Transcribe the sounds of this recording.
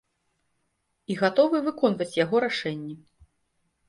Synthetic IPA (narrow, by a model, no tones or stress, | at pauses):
iɣat̪ɔvɨvɨkɔnvɐt͡sʲjaɣɔɾaʂɛnʲːɛ